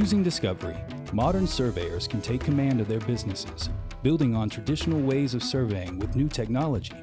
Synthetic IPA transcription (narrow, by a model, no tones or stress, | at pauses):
jʉzɪ̃ŋdɨskʌvə˞ḭ | mɑɾə̃˞nsɜ˞veɪə˞z̥kʰntʰeɪkʰːɨmæ̃ndʌvðə˞bɪznɨsɪ̰z̥bɪlˠdɪ̃ŋə̃ntʰɹ̥ɨdɪʃn̩l̩ˠweɪzʌv̥sɜ˞veɪɪ̃ŋwɨðnʉtʰɛk̚nɑlˠəd͡ʒi